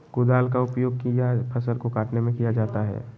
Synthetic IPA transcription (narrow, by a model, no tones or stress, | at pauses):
ɡ̥ʊd̪aːlkaʊpjoːɡ̚kijapʰɐsəlkokaːʈnemẽkijad͡ʒaːt̪aɦɛ̰ː